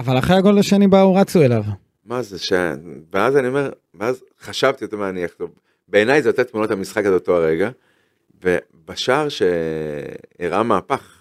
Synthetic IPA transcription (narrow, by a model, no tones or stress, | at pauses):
avalaχʁeaɡodlaʃenibauʁat͡suelav | mazeʃeveazanio̞me̞ʁ | meaz | χaʃavt̪ijo̞t̪emeaniaχto | be̞ːnajzeot̪et̪munot̪hamisχakalotoaʁeɡa | ve̞ | baʃaʁʃe̞ | iʁʔamaːpaχ